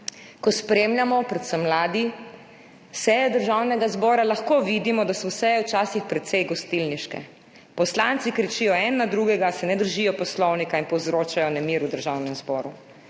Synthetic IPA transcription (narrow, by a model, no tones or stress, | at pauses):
kɔspɾemljamɔpɾɛt̪səmːlaːd̪i | sɛːjɛd̪əɾʒawnɛɡazbɔːɾalaxkoːʋid̪imɔd̪asɔwsɛjɛwt͡ʃaːsixpɾɛt̪sɛjɡɔst̪ilniʃkɛ̰ | pɔslant̪sikɾɛt͡ʃiːjɔɛnːad̪ɾuɡɛɡasɛnɛd̪əɾʒijɔpɔslɔwnikainpɔwzɾoːt͡ʃajɔnɛmiːɾud̪əɾʒawnɛmzbɔːɾu